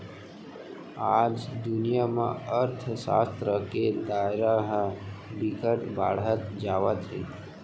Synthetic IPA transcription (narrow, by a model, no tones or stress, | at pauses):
ad͡ʒd̪ʊnijamã̰əɾt̪ʰsa̰st̪ɾəked̪aɾaɦbikəʈba̰ɽɦət̪d͡ʒaʋat̪ʰi